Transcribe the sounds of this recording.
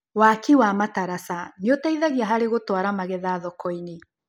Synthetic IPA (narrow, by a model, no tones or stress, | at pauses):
wakiwamataɾasanjotaiðaɣiaɦaɾeɣotwaɾamaɣɛðaːðɔkɔine